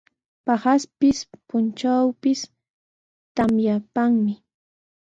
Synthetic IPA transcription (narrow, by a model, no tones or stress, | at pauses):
pahaspɪspʊnt͡ʃawpɪs | t̪amjapaŋmɪ